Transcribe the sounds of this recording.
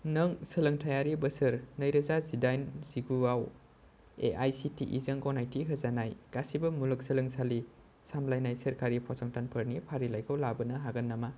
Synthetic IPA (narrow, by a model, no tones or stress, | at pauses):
nɐŋsɐlɐŋtʰajaɾibɐsɐɾnɐjɾɐzazidajnziɡuaw | ḛʔajsitiʔḭzɐŋɡɔnajtiɦɐzanajɡ̥asibɐmulɐk̚sɐlɯŋsali | samlajnajsɐɾkaɾipʰɔsɔŋtanpʰɐɾnipʰaɾilajkʰɯwlabɐnɐɦaɡɐnːama